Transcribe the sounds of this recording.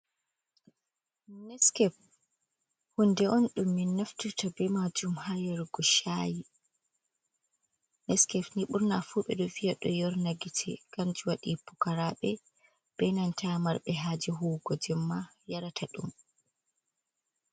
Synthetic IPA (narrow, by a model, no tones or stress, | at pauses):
nɛskɛf | hundɛʔɔnɗumːinːaftutʰabɛmad͡ʒumhajaɾɡɔʃaji | nɛskɛfniɓuɾnafuɓɛ̰ɗɔvijaɗɔjɔɾnaɡitʰɛ̰ɡ̥and͡ʒiwaɗipukaɾaɓɛ | b̥ɛnantamaɾɓɛɦaːd͡ʒiɦuːɡɔd͡ʒɛmːa | jaɾatʰaɗum